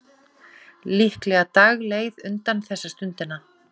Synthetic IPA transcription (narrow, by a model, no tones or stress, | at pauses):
lihklɛːɣat̪aɣleːɣðʏnt̪anθɛsːast̪ʏnt̪ɪnːa